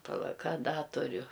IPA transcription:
pɐˈlˠɐ ˈkɐ ˈdɐ tʊˈrʲʊ

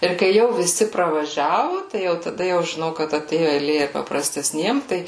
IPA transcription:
ɪr kɐɪ ˈjɛʊ ʋʲɪˈsʲɪ prɐʋɐˈʒʲæːʋʊ tɐɪ jɛʊ tɐˈdɐ jɛʊ ʒʲɪˈnɐʊ kɐt ɐˈtʲeːjʊ ɛɪˈlʲeː ɪr pɐprɐsʲtʲɛsʲˈnʲiɛm ˈtɐɪ

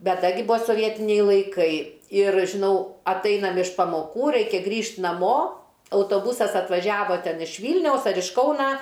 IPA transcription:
ˈbʲɛt ˈdɐ ɡʲɪ ˈbʊʋoː soːˈʋʲiɛtʲɪnʲɛɪ lˠɐɪˈkɐɪ ɪr ʒʲɪˈnɐʊ ɐtˈɐɪnɐm ɪʃ pɐmoːˈkuː ˈrɐɪkʲɛ ˈɡrʲiːʃʲtʲ nɐˈmoː ɐʊtoːˈbʊsɐs ɐtʋɐˈʒʲæːʋoː ˈtʲɛn ɪʃ ˈʋʲiːlʲnʲɛʊs ɐr ɪʃ ˈkɐʊnɐ

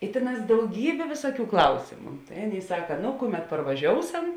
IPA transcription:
ɪ ˈtʲeːˌnɑːs dɐʊˈɡʲiːbʲeː ˈʋʲeːsuɔˌkʲuː ˈklˠɐʊsʲeːmʊ tɐɪ ˈɑːˌnʲeːɪ ˈsɑːkɐ ˈnoː ˈkʊˌmʲɛt pɐrʋɐˈʒʲoːʊˌsɐm

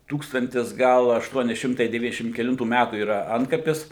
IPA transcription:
ˈtuːkstɐnʲtʲɪs ˈɡɐlˠ ɐʃˈtuɔnʲɪ ˈʃʲɪmtɐɪ dʲɛˈʋʲiːnʲɛzʲdʲɛʃʲɪm kʲɛˈlʲɪntuː ˈmʲætuː iːˈrɐ ˈɐntkɐpʲɪs

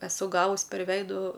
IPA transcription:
ɛˈsʊ ˈɡɑːʋʊs pʲɛr ˈʋʲɛɪdʊ

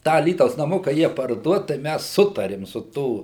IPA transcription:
ˈtɑː ɐˈlʲiːtɐʊs nɐˈmʊkɐ ˈjiɛ pɐrˈduɔt tɐɪ ˈmʲæs ˈsʊtɐrʲɪm sʊ ˈtuː

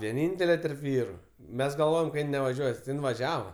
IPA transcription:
ʋʲiɛˈnʲiːnʲtʲɛlʲɛ tʲɛrp ˈʋʲiːrʊ ˈmʲɛs ɡɐlˠˈʋoːjɛm kɐt ˈjɪn nʲɛʋɐˈʒʲuɔs tʲɪ ˈjɪn ʋɐˈʒʲæːʋɐ

